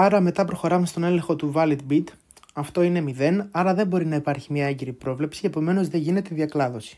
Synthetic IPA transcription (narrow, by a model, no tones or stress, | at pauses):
ɐɾɐme̞t̪ɐpɾo̞xo̞ɾɐmest̪o̞ne̞le̞ŋxo̞t̪uvɐlid̪bit̪ | ɐft̪o̞ine̞miðe̞nɐɾɐðe̞mbo̞ɾinɐipɐɾçimɲɐeɲɟeɾipɾo̞vle̞psie̞po̞me̞no̞zðe̞ʝine̞t̪eðiɐklɐðo̞si̥